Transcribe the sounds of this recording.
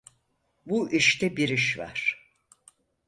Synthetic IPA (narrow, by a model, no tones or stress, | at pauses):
buʔiʃt̪ɛbiɾiʃva̰ɾ̥